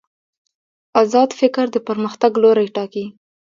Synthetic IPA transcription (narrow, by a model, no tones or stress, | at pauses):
azɑd̪fɪkɾd̪əpəɾməxt̪aɡloɾajʈɑki